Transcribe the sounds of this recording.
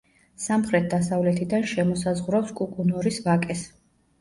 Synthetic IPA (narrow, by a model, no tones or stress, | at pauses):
samχɾɛt̪̚ʰd̪asavlɛt̪ʰid̪anʃɛmɔsazʁɾɔpskʼukʼunɔɾisvakʼɛs